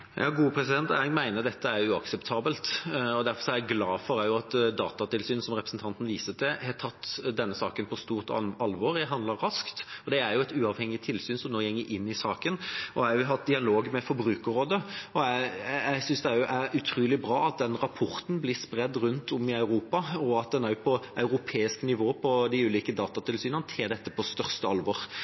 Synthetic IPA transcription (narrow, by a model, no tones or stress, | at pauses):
jʔɑ̰ːɡuːəpʰɾɛsɪd̪ɛnt̪æɡmæɪnəɾd̪ɛt̪ʰːəæɾjʊɑksɛpt̪ʰɑːbəlt̪ɔd̪æɾfɔɾsɔæɛɡlɑːfɔɾæɾjʊɑt̪d̪ɑ̰ːt̪ɑt̪ɪlsyːnsɔmɾɛpɾəsn̩t̪ʰɑnt̪n̩ʋiːsəd̪ɛhɛt̪ʰɑt̪ːd̪ɛnːəsɑ̰ːkənpʰɔst̪uːʁt̪ɑlʋɔɾjæɦɑnd̪ləɾɾɑskt̪ɔd̪ɛæɾjʊɛɪt̪ʉːɑʋhɛŋːɪt̪ʰɪlsyːnsɔmnoːjɛŋːəʔɪnːɪsɑːkənɔæjʊɦɑt̪̚d̪ɪɑloːɡmɛfɔɾbɾʉːkəɾoːd̪əɔææɪsʏnsd̪ɛæjʊʔæɾʉt̪ʰɾuːlɪbɾɑːɑt̪̚d̪ɛnɾɑpʰɔʁt̪n̩blɪspɾɛd̪ːɾʉnt̪ʰʊmɪɑʉɾuːpɑɔɑt̪̚d̪ɛnæɾjʊpʰɔɑʉɾʊpʰeːɪsknɪʋoːəpʰɔd̪ɪʉːliːkəd̪ɑːt̪ɑt̪ʰɪlsyːnənət̪ʰeːd̪ɛt̪ːəpʰɔst̪œʁst̪əɑlʋɔɾ